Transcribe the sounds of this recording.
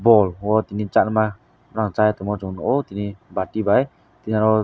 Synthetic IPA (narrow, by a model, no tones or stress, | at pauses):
bɔlwɔt̪init͡ʃanma | ɾaŋt͡ʃajt̪ɔmɔt͡ʃɔnɔt̪inibatibaj | t̪inaɾɔ